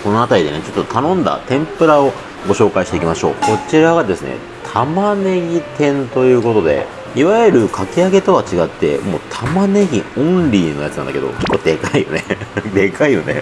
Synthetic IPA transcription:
ko̞no̞at̪aɾʲid̪e̞net͡ɕo̞t̪ːot̪ʰanõ̞nd̪a̰t̪ẽ̞mpɯ̟ɾao̞ | ɡo̞ɕo̞ːkaiɕit̪e̞ikʲimaɕo̞ːko̞t͡ɕiɾaβad̪e̞sɨnḛ | t̪ʰamane̞ɡʲit̪ẽ̞nt̪o̞jɯ̟ːko̞t̪o̞d̪e̞̰ | iβaeɾɯ̟kʰakʲiaɡe̞t̪o̞βat͡ɕiɡat̪ːe̞̰mo̞ːt̪ʰamane̞ɡʲiõ̞nɾʲiːno̞jatt͡sɨnã̰nd̪aked̪o̞̰ke̥kːo̞ːd̪e̞kaijo̞̰ne̞d̪e̞kaijo̞ne̞̰

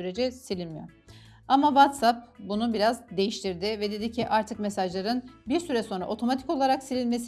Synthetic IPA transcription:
yɾe̞d͡ʒɛsilʲimijo̞̰ | amavat̪sap̚bunubiɾazd̪e̞jiʃt̪ʰiɾd̪ɪvɛd̪e̞d̪icʰiʔaɾt̪ʰɯkmesaʒlˠaɾɯnbiɾsyɾɛso̞nɾa̰ʔo̞t̪ʰo̞mat̪ʰiko̞lˠaɾaksilʲinʲme̞s

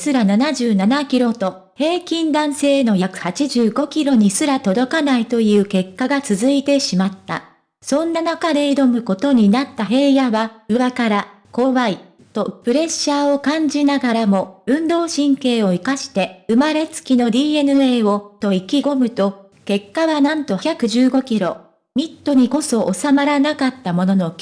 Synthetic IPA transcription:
sɨɾananaʑɨːnanakʲiɾo̞t̪o̞ | he̞ːkʲĩnd̪ãɰ̃se̞ːno̞jakɯ̟̥hat͡ɕiʑɨːɡo̞kʲiɾo̞ɲ̟isɨɾat̪o̞d̪o̞kanait̪o̞jɯ̟ːke̞kːaɡat͡sɨzɨit̪e̞ɕimat̪ːa̰ | sõ̞nːanakad̪e̞id̪o̞mɯ̟ko̞t̪o̞ɲ̟inat̪ːaɦe̞ːjaβaɯ̟βakaɾa | ko̞ːβai | t̪o̞pɯ̟ɾe̞ɕːaːo̞kãɲ̟d͡ʑinaɡaɾamo̞ɯ̟̃nd̪o̞ːɕĩŋke̞ːo̞ikaɕi̥t̪e̞ɯ̟maɾe̞t͡sɨ̥kʲino̞d̪ʲiːe̞nɯ̟e̞ːo̞t̪o̞ikʲiɡo̞mɯ̟t̪o̞ | ke̞kːaβanãnt̪o̞çʲakɯ̟ʑɨːɡo̞kʲiɾo̞̰ | mʲit̪ːo̞ɲ̟iko̞so̞ʔosamaɾanakat̪ːamo̞no̞no̞

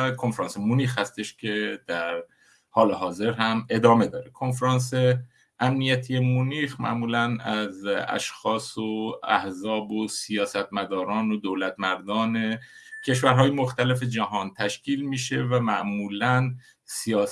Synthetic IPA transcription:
kʰonfɾɑːnsemuniːxhæst̪e̞ʃcʰe̞d̪æɾ | hɒːleɦɒːze̞ɾɦæme̞d̪ɒːme̞d̪ɒːɾekʰo̞nfɾɑːns̬e̞ | ʔæmnijæt̪ʰijemuniːxmæ̰ʔmuːlænæzæ̰ʃxɒːsoæ̰hzɒːbosijɒːsæt̪mæd̪ɒːɾɒːnod̪olæt̪mæɾd̪ɒːne | cʰe̞ʃvæɾɦɒːjemoxt̪æle̞fe̞d͡ʒæɦɒːnt̪ʰæʃcʰiːlmiːʃe̞væmæʔmuːlæn | sijɒː

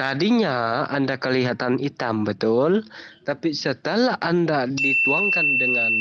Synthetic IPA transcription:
t̪adiɲaa̰ndakəliɦat̪anit̪ambət̪ʊlt̪apisət̪əlaʔandadit̪uaŋkandəŋan

